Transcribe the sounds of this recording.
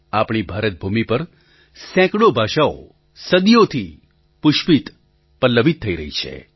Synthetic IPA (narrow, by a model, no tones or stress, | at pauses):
apɳibʱaɾət̪̚bʱumipəɾ | sɛ̃kɽobʱaʃao̰ | səd̪ijot̪ʰi | pʊʃpit̪ | pəlːəʋit̪ʰːəiɾəɦit͡ʃʰḛ